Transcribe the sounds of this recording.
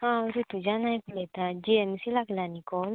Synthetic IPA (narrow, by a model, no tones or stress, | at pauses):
aɾut̪ud͡ʒanajplet̪ad͡ʒiɛmsilaklanikɔl